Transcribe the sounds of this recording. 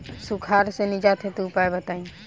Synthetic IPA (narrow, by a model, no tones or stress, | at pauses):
sukʰaɾsenid͡ʒat̪ʰet̪upajbət̪aĩ